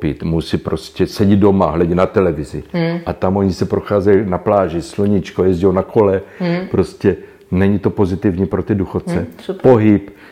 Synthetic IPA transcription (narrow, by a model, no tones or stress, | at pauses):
pit̪musipɾoscʲɛsɛɟido̞maɦlɛɟinat̪ɛlɛvɪzɪʔat̪amʔo̞ɲisɛpɾoxaːzɛjinaplaːʒɪsloɲit͡ʃkojɛzɟownakʰo̞lɛpɾo̞scɛ | nɛɲit̪o̞po̞zɪt̪ɪvɲiːpɾot̪ɪduxot̪̚t͡sɛpo̞ɦɪp